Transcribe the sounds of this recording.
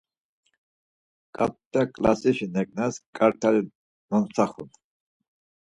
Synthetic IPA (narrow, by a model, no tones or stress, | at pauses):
kʼa̰t̪t̪akʼlasiʃinɛkʼnaskʼaɾt̪ʰaɾi | mɔnsʰaχṵn